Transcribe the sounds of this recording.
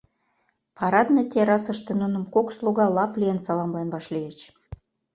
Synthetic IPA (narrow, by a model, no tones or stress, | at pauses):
pʰɑɾɑd̪nɤt̪ʲeɾɑsə̆ʃt̪ĕnunə̆mkoksluɣɑlɑplijənsɑlɑmlɑnβɑʃlijet͡ɕ